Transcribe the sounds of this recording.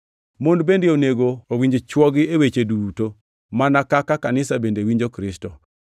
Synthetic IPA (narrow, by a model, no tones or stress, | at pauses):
mondbendeoneɡoowiɲd͡ʒet͡ʃwɔɡɪewet͡ʃeduto | manakakakanɪsabendewiɲd͡ʒokɾɪstɔ